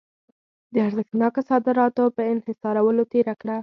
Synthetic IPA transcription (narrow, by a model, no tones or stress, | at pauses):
d̪əaɾzəxt̪nɑkosɑd̪ɪɾɑt̪opəɪnhɪsɑɾawəlot̪eɾakɽa